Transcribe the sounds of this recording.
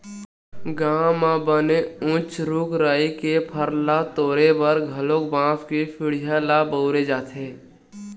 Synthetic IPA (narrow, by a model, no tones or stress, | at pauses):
ɡaːmãbəneʊ̃t͡ʃɾuːkɾaːikepʰəɾlat̪oːɾebəɾɡʱəloːkbãːpkipʰɪɽ̤ɪjalabəʊɾed͡ʒaːt̪ʰeː